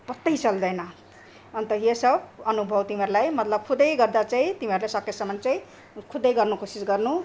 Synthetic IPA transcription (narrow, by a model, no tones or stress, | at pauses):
pʌt̪ːʌjt͡sʌld̪ʌjnʌ | ʌnt̪ʌjesʌbʌnubʱʌwt̪imiʌɾulajmʌt̪lʌb̚kʰud̪ʌjɡʌrd̪at͡saĩt̪imiʌɾulajsʌkːesʌmʌnt͡saĩ | kʰud̪ʌjɡʌrnukosisɡʌrnu